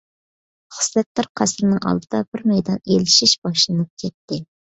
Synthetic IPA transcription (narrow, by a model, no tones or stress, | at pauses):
χə̥slɛt̪̚ːɑɾqʰæsɾnɨŋɑ̰lˠd̪ɨd̪̥ɑbɪɾmɛjd̪ɑnelɪʃiʃb̥ɑʃlˠɨnɨp̚kʲʰɛt̪ːɪ